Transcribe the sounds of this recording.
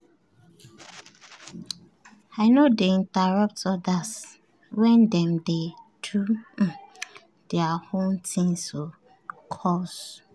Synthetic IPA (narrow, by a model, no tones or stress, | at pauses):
aɪnodeĩntaɹɔp̚tɔdas | wɛ̃ndɛ̃mdetʰu | d̥eahõntʰĩŋso | kʰɔs